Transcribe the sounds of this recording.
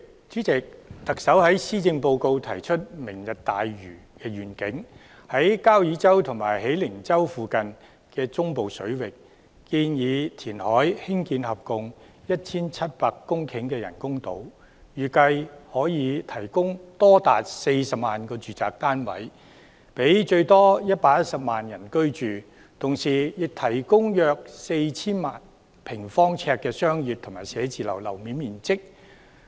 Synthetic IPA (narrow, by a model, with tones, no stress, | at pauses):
t͡ʃyː˨˥t͡sɪ˨k̚t̪ɐ˨k̚sɐ˨˥whɐ˨˥jsiː˥t͡sɪ˧ŋpo˧wko˧wt̪ʰɐ˨˩jt͡ʃʰɵ˥t̚mɪ˨˩ŋjɐ˨t̚t̪aː˨jɥyː˨˩kɛː˧ɥyː˨˩nkɪ˨˥ŋ | hɐ˨˥jkaː˥wjyː˨˥t͡sɐ˥wt̪ʰʊ˨˩ŋmaː˨˩jɦe˨˥jlɪ˨˩ŋt͡sɐ˥wfuː˨˧kɐ˨n | kɛː˧t͡sʊ˥ŋpo˨wsɵ˨˥ɥwɪ˨k̚ː | iː˧njiː˨˧t̪ʰiː˨˩nhɔː˨˥jhɪ˥ŋkiː˧nhɐ˨p̚kʊ˨ŋ | jɐ˥t̚t͡sʰiː˥nt͡sʰɐ˥t̚paː˧kːʊ˥ŋkʰɪ˨˥ŋkɛː˧jɐ̰˨˩nkʊ˥ŋt̪o̰˨˧˥w | jyː˨kɐ˧jhɔː˨˥jiː˨˧t̪ʰɐ˨˩jkʊ˥ŋt̪ɔː˥t̪a̰ː˨t̚se˧jsɐ˨p̚maː˨˩nkɔː˧t͡ʃyː˨t͡sa̰ː˨k̚t̪aː˥nwɐ̰˨˥j | pe˨˥jt͡ʃɵ˧ɥt̪ɔː˥jɐ˥t̚paː˧k̚jɐ˥t̚sɐ˨p̚maː˨njɐ˨˩nkɵ˥ɥt͡ʃyː˨ | t̪ʰʊ˨˩ŋsiː˨˩jɪ˨k̚t̪ʰɐ˨˩jkʊ˥ŋjœː˧k̚se˧jt͡sʰiː˥nma̰ː˨n | pʰɪ˨˩ŋfɔː˥ŋt͡sʰɛː˧kːɛː˧sœː˥ŋjyː˨t̪ʰʊ˨˩ŋmaː˨˩jsɛː˨˥t͡siː˨lɐ̰˨˩wlɐ˨˩wmi˨˥nmiː˨nt͡sɪ˥k̚